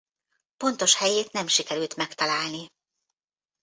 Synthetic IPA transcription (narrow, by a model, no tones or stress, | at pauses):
po̞nt̪o̞ʃhɛjeːt̪nɛmʃikɛɾylt̪mɛkt̪ɒlaːlni